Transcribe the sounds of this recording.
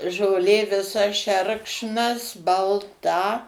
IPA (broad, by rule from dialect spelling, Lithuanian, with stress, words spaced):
ʒoːˈlʲeː ʋʲɪˈsɐ ˈʃʲɛrkʃnɐs bɐlˠˈtɐ